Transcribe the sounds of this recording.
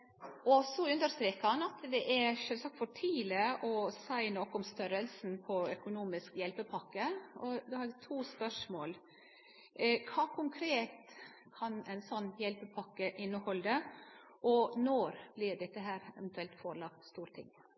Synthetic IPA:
ʔɔsɔʉnd̪əɾst̪ɾeːkəɑnɑt̪d̪ɛʔæɾʂøːlsɑkt̪fɔʈʰiːləɔsæɪnɔkːɔmst̪œɾəlsn̩pʰɔœkʊnuːmɪskjɛlpəpʰɑkːəʔɔd̪ohɑɾɛɡt̪ʰuːspœʂmoːl | kʰɑːkʰʊŋkʰɾeːt̪ | kʰɑnæɪnsɔnːjɛlpəpʰɑkːəʔɪnːəhɔld̪ə | ʔɔnɔɾb̥lɪɾɖ̪ɛt̪ːəɦæːɾɛʋɛnt̪ʰʉɛlt̪foːɾɭɑkt̪st̪uːɾt̪ʰɪ̰ŋː

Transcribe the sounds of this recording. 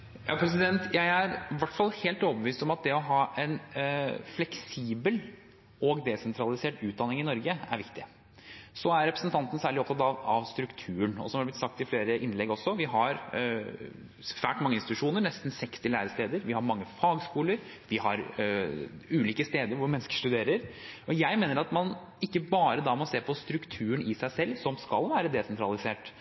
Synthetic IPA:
jɑ̰ːpʰɾɛs̬ɪd̪ɛnt̪ʰjæɪæɾʋæʈfɑlˠheːlt̪oːbəʋiːst̪ɔmɑt̪̚d̪ɛɔɦɑːʔɛn | flɛksiːbəl | ɔɡd̪ɛsɛnt̪ʰɾɑlɪseːʈʉːt̪̚d̪ɑnɪŋɪnɔɾɡəæ̰ɾʋɪkt̪ɪ | sɔæɾɾɛpɾəsənt̪ʰɑnt̪n̩sæːɭɪɔpt̪ʰɑt̪ɑʋɑʋst̪ɾʉkt̪ʰʉːəɳɔ̰sɔmhɑdɖɛb̪lɪt̪sɑk̚t̪ɪfleːɾəʔɪnlɛɡɔsːɔʋɪɦɑɾ | ʋæːʈmɑŋəɪnst̪ɪt̪ʉʂuːnəɾɳɛst̪n̩sɛkst̪ɪlæːɾəst̪eːd̪əɾʋɪhɑɾmɑŋːəfɑːɡskuːləɾ | ʋɪhɑɾ | ʉːliːkəst̪eːd̪əɾʋʊɾmɛnːəskə̥ʂʈ̪ʉd̪eːɾəɾɔjæɪmeːnəɾɑt̪mɑn | ɪkːəbɑːɾəd̪ɑmɑnseːɾpʰɔst̪ɾʉkt̪ʰʉːəɳɪsæɪsɛlːsɔmskɑ̰lʋæːɾəd̪ɛsɛnt̪ʰɾɑlɪseːʈ

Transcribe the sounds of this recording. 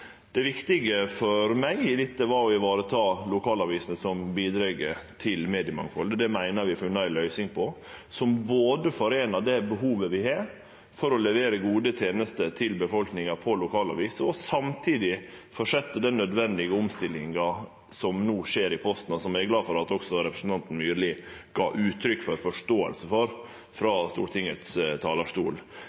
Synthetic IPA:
d̪̥ɛʋɪkt̪ɪɡəfɔɾmæɪɪlɪt̪ːəʋɑɾɔɪʋɑːɾət̪ʰɑːlʊkʰɑːlɑʋiːsnəsɔmbiːd̪ɾɛɡət̪ʰɪlmeːd̪ɪəmɑ̰ŋkfɔld̪əd̪ɛmæɪnəɾʋɪfʉnːɑæɪlœʏsɪŋpʰɔ | sɔmboːd̪əfɔɾeːnɑɖ̪ɛbəɦuːʋəʋɪhɑɾ | fɔɾɔlɛʋeːɾəɡuːd̪ət̪ʰeːnəst̪ət̪ʰɪlbəfɔlknɪŋɑpʰɔlʊkʰɑːlɑ̰ʋiːsəɔsɑmt̪ʰiːd̪ɪfɔʂɛt̪ːəɖ̪ɛnnœd̪ʋɛnd̪ɪɡəʊmst̪ɪlːɪŋɑ | sɔmnuːʂeːɾɪpʰɔst̪nɑsɔmæɡlɑːfɔɾɑt̪ɔksɔɾɛpɾəsn̩t̪ɑnt̪n̩myːɾlɪɡ̥ɑ̰ːʔʉːt̪ʰɾʏkːfɔɾfɔʂtoːə̰lsəfɔɾ | fɾɑst̪ṵːɾʈ̪ɪŋət̪st̪ʰɑːlɑʂt̪ṵːl

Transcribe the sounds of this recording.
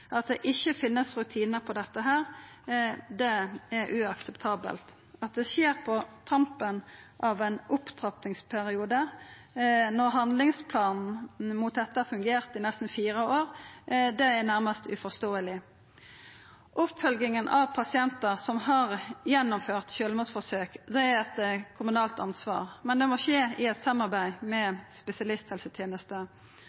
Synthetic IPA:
ʔɑt̪̚d̪ɛʔɪçːəfɪnːəsɾʉt̪ʰiːnəɾpʰɔd̪ɛt̪ːəɦæːɾ | d̪ɛɛɾʉɑksɛpt̪ʰɑːbə̰lt̪ | ɑt̪̚d̪ɛsjeːɾpʰɔt̪ʰʁɑmpənʔɑʋɛnʔʊpt̪ʰʁɑpnɪŋspʰæʁɪuːd̪ə | nɔʁɦɑnd̪lɪŋspʰlɑːnn̩muːt̪̚d̪ɛt̪ːəɑfʉŋɡeːʁt̪ɪnɛst̪n̩fiːɾəoːʁd̪ɛænæɾməst̪ʉ̰fɔst̪oːəlɪ | ʔʊpfœlɡɪŋənʔɑʋpʰɑsɪɛnt̪əʁsɔmhɑʁjɛnːʊmføːʁt̪çøːləmuːsfɔsøːkd̪ɛæɾʁɛt̪kʰʊmʉnɑːlt̪ɑ̰nsʋɑ̰ːʁmɛnd̪ɛmɔʂeːɪɛt̪sɑmːɑʁbæɪmɛspɛsɪɑlɪst̪hɛlsət̪ʰjeːnəst̪ə

